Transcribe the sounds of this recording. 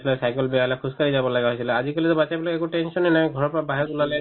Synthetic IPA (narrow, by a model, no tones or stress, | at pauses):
sʰlɛsajkɔlbɛjaɦlakʰuskaɹizabɔlaɡaɦojsʰilɛazikolit̪ɔbat͡ʃajbɔlakɛkuʈɛnsɔnɛnajɡʱɔɹɔpɔɹabaɦɛt̪ulalɛ